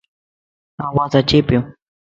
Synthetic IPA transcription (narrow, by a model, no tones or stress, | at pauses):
awasat͡ʃɪpɪ